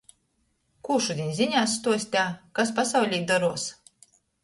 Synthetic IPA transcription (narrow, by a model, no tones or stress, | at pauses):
kuːʃud̪ʲinʲzʲiɲʲaːst̪uɔsʲt̪ʲaːkaspasawlʲiːjd̪aɾuɔs